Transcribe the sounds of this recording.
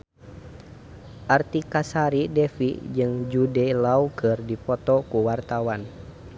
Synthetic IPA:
ʔart̪ikasaɾidɛfḭʔd͡ʒɨŋd͡ʒudɛlaukɨrdipɔt̪ɔkuwart̪awan

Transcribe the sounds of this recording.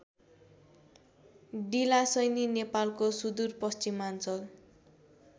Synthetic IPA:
ɖilasʌjninepalkosud̪urpʌst͡simant͡sʌl

